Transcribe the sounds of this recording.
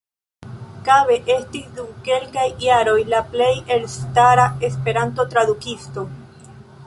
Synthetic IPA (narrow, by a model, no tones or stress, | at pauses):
kaβe̞ʔe̞st̪isd̪umke̞lkajːaɾo̞jlaple̞je̞lst̪aɾae̞spe̞ɾant̪o̞t̪ɾaðukist̪o̞